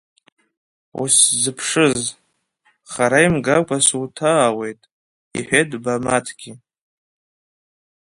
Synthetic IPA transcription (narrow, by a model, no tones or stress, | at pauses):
ṵszɨpʰʂɨz | χaɾaimɡakʷʼasuwtʰaːwe̞jtʼ | ḭħʷᶣedbamatʰɡ̥ʲi